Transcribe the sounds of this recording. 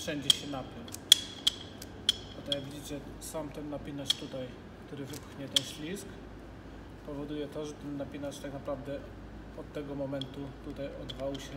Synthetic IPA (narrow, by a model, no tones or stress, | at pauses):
fʂɛɲd͡ʑɛɕɛnapʲjɛw | at̪ɔjaɡvʲid͡ʑit͡ɕɛ | samt̪ɛnːapʲinat͡ʂt̪ut̪aj | kt̪uɾɘvɘpxɲɛt̪ɛnɕlʲisk | pɔvɔd̪ujɛt̪ɔʐɛt̪ɛnːapʲinaʂt̪aknapɾavd̪ɛ | ɔt̪ːɛɡɔmɔmɛnt̪ut̪ut̪ajɔd̪vawɕɛ